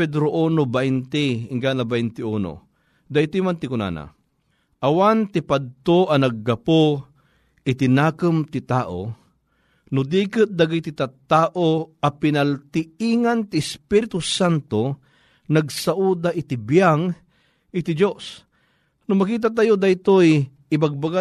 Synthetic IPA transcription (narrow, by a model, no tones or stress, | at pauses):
ɛd̪ɾoʔoːnobaʔɪnt̪iɪŋɡanlabajnt̪ɪuːno̰ | d̪ajt̪imant̪ɪkʊna̰ːna̰ | ʔɐwant̪ɪpad̪̚t̪oʔɐnɐɡːɐpo | ɪt̪ɪnaːkəmt̪ɪt̪aːʔo̰ | nʊd̪iːkɨt̪̚d̪aɡit̪it̪at̪aːʔoɐpɪnɐlt̪ɪiŋant̪ɪːspiɾɪt̪usant̪o | nɐɡsaʔud̪aʔɪt̪ibjaŋ | ɪt̪ɪd͡ʒos | nʊmɐkiːt̪̬aʔt̪̬ajod̪ajt̪oj | ɪbaɡ̚baɡa